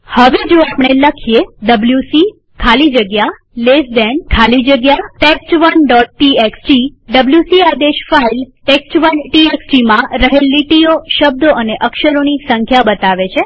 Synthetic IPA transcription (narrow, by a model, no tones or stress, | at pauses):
həʋed͡ʒoapɳ̃eləkʰijeɖəbljusi | kʰalid͡ʒəɡja | lesd̪enkʰalid͡ʒəɡjaʈeksʈʋənɖɔʈ̚ːieksʈiɖəbljusiad̪eʃfailʈeksʈʋənʈieksʈimãɾəɦelːiʈioʃəb̚d̪ʱoʔəneʔəkʃəɾonisə̃ŋkʰjabət̪aʋet͡ʃʰe